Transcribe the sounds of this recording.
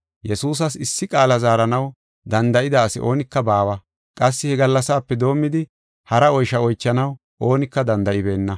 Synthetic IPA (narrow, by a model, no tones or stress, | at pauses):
jɛsuːs̬ɐsɪsːɪkʼaːlɐzaːɾɐnɐw | d̪ɐnd̪ɐʔɪd̪aːsɪʔo̞ːnɪkːɐbaːwɐ | kʼɐs̬ːɪhɛɡɐlːɐsaːpːɛd̪o̞ːmːɪd̪ɪ | hɐɾɐɔjʃɐɔjt͡ʃːɐnɐw | ʔo̞ːnɪkːɐd̪ɐnd̪ɐʔɪbe̞ːnːɐ